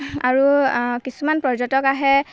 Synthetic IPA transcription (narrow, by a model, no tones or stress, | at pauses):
a̰ɹukisumanpɹɔd͡ʒɔtɔkaɦɛ